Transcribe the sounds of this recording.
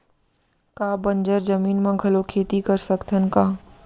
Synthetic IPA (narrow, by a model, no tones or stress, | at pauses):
kaːbə̃nd͡ʒəɾd͡ʒəmiːnmãɡʱɐlokʰeːt̪ikɐɾsəkt̪ʰənkaː